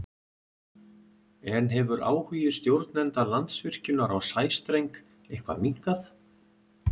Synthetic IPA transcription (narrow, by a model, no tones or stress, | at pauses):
ɛnɦɛvʏɾʔa̰ːwhyːjɪ̥st̪jowɾt̪nɛnt̪alant̪svɪr̥cʏnaɾawsaːjst̪ɾejŋk | ejhkʰva̰miŋ̥kaθ